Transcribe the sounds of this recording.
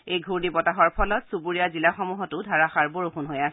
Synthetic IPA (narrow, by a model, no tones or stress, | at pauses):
ejɡʱuɹdibɔtaɦɔɹpʰɔlɔtsubuɹiazilaxɔmuɦɔtʊdʱaɹaxaɹboɹuxunɦojasɛ